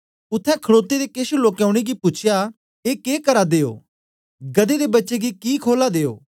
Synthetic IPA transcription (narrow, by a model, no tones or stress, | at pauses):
ʊt̪ʰːɛ̃kʰəɽoːt̪ːed̪ekeːʃuloːkjãːʊɽ̃eɡipʊt͡ʃʰja | eːkeːkəɾad̪eːo̰ː | ɡəd̪ed̪ebɐtːʃeɡikiːkʰoːlad̪eːo̰ː